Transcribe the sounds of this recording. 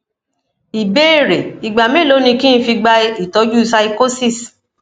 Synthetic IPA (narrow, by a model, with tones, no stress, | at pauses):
i˨be˦˨ɾe˨i˨ɡ͡ba˨mẽ˦lo˨˦nĩ˧kĩ˦n̩˦fi˧ɡ͡ba˧i˦˨tɔ˨˦d͡ʒu˦sa˧i˧ko˦si˦˨s